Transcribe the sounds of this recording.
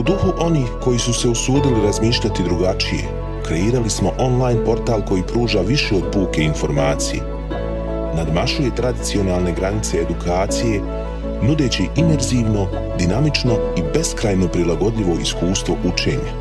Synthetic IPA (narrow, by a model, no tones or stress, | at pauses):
ud̪uxuʔo̞niːxko̞jisuse̞usuːd̪iliɾazmiːʃʎʲat̪id̪ɾuɡat͡ʃije̞̰ | kɾe̞iːɾalismo̞ʔo̞nlˠaːjnpo̞ɾt̪aːlˠko̞jiːpɾuːʒaʋiʃeo̞d̪̚puːke̞info̞ɾmaːt̪sijḛ | nad̪maʃuje̞t̪ɾad̪it̪sio̞naːlˠne̞ɡɾanit̪se̞ːd̪ukʰaːt̪sije̞ | nud̪e̞ːt͡ɕiʔime̞ɾziːʋno̞ | d̪inamit͡ʃno̞ibe̞skɾaːjno̞pɾilˠaɡo̞d̪ʎiʋo̞iskuːst̪ʋo̞ʔut͡ʃe̞̰ːɲa